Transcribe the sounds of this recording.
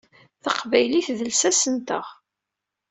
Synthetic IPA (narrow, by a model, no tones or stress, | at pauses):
θɑqvæjliθðəlsæsənt̪əʁ